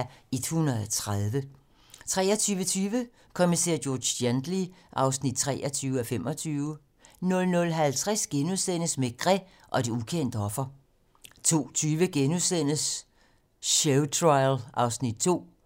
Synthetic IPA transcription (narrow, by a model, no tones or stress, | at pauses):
id̥hunɐð̩ˠɒt͡sʰʁaðˠʋə | t͡sʰʁɛːɒt͡sʰyːʋət͡sʰyːʋə | kʰɒmise̝̰ɐ̰jɔːd̥end̥liʔɑ̈ʊsnid̥̚t͡sʰʁɛ̰ːɐt͡sʰyːʊəɒ̽fem̰ɒ̽t͡sʰyːʊə | nɔ̽lnɔ̽lɦælt͡sʰʁasɡ̥enuðˠsen̰əsmeɡ̥ʁɛ | ʔɒ̽d̥eukʰen̰d̥əɒ̽fɐ | t͡sʰo̝̰ːt͡sʰyːʋəɡ̥enuðˠsen̰əs | ɕeʊt͡sʰʁɑ̈ɪlɑ̈ʊsnid̥̚t͡sʰo̝̰ː